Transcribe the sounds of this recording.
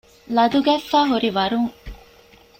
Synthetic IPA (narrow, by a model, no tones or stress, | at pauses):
lɐd̪uɡæːfːæːɦuɾiʋɐɾuŋ